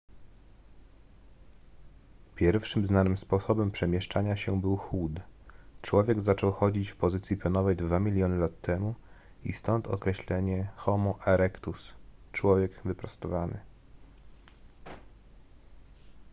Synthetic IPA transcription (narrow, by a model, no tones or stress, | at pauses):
pʲjɛɾfʂɘmznanɘmspɔsɔbɛmpʂɛmʲjɛʂt͡ʂaɲaɕɛbɘwxud̪t͡ʂwɔvʲjɛɡzat͡ʂɔwxɔd͡ʑit͡ɕfpɔzɘt̪sʲjipʲɔnɔvɛjd̪vamʲilʲjɔnɘlat̪ːɛmu | ḭst̪ɔnt̪ʰɔ̰kɾɛɕlɛɲɛxɔmɔʔɛɾɛkt̪ust͡ʂwɔvʲjɛɡvɘpɾast̪ɔvanɘ̰